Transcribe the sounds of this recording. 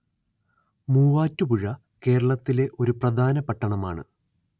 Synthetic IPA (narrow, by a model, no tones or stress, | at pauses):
muːʋaːtːupuɻɐ | ke̞ːɾɐɭɐt̪ːile̞ʔo̞ɾuprɐd̪ʱaːnɐpɐʈːɐɳɐma̰ːɳɨ̰